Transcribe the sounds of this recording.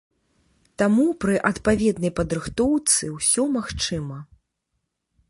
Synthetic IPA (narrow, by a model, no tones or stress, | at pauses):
t̪amupɾɨʔɐt̪pavʲɛd̪nɐjpɐd̪ɾɨxt̪ɔwt̪sɨwsʲɔmaxt͡ʂɨmɐ